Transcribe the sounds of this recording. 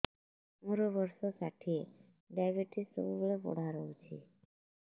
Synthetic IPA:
muɾobɔɾʃosaʈʰie | ɖajbeʈiso̰bubolebɔ̰ɽ̤ʱaɾowt͡ʃʰḭ

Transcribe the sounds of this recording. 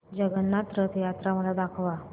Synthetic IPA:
d͡ʑəɡənːat̪ɾət̪ʰjat̪ɾaməlad̪akʰʋa

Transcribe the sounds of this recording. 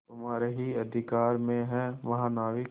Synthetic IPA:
ɦʊmaːɾeɦiɐd̪ʱɪkaːɾmẽɦɛ̃ʋɐɦãnaːʋi

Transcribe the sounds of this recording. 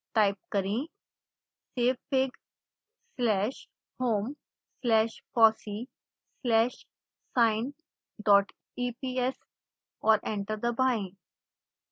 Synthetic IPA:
ʈajp̚kəɾĩ | sefeɡ | slɛʃ | hoːm | slɛːʃfɔsi | slɛːʃ | saɪn | ɖɔːʈ | ipies | ɔːɾẽɳʈəɾd̪əbãĩ

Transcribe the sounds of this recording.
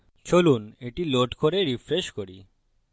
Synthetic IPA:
t͡ɕʰoluneʈiloʈkoɾeɾifɾeʃkoɾi

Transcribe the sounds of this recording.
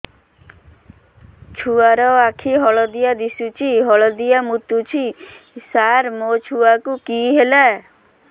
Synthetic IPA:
t͡ʃʰuaɾɔakʰiɦɔɭɔd̪ijad̪isut͡ʃʰiɦɔɭɔd̪ijamut̪ut͡ʃʰi | saɾmot͡ʃʰuakukiɦela

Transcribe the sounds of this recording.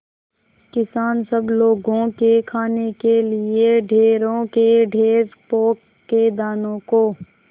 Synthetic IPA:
kɪsaːnsəbloːɡõkekʰaːnekelɪeɖʱeːɾõkeɖʱeːɾpoːkːed̪aːnõkoː

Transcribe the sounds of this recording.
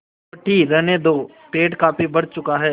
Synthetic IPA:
ɐʈiɾɛɦned̪oː | peːʈkaːpibɐɽt͡ʃʊkaɦɛː

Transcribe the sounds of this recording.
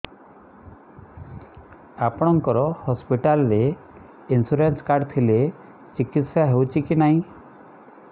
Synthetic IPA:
apɔɽ̃ɔŋkɔɾɔhɔspiʈalɾe | insuɾenskaɾɖt̪ʰile | t͡ʃikit̪sjaɦewt͡ʃikinaɦĩ

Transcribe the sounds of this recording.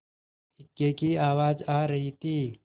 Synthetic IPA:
ɦɪkːekiaːwaːd͡ʒaːɾɐɦit̪iː

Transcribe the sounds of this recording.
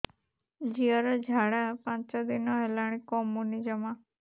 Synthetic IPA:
d͡ʒiəɾad͡ʒʱaɽapãt͡ʃɔd̪inɔɦɛlaɽ̃ĩkɔmunid͡ʒəma

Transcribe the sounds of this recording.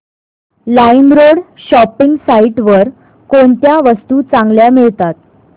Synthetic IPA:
lainɾoɽɕɔpiŋɡsaiʈʋəɾ | koɳt̪jaʋəst̪uːt͡sãŋɡljamiɭt̪at̪̚

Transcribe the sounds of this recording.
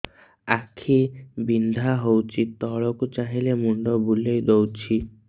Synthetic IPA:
akʰibind̪ʱaɦowt͡ʃʰit̪ɔɭɔkut͡ʃaɦilemuɳɖɔbulejd̪owt͡ʃʰi

